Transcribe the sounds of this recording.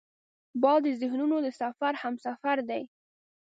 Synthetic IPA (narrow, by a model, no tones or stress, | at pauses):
bɑld̪əzɪhnunod̪əsafaɾhamsafaɾd̪aj